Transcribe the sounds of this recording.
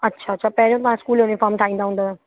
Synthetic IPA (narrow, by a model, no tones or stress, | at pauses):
ɐtːʃʰaɐtːɕʰapɐɦɾijõt̪ɐʋ̤ãɪskuːljonɪfaːɾmʈ̪ʰaːĩːnd̪aɦũnd̪aː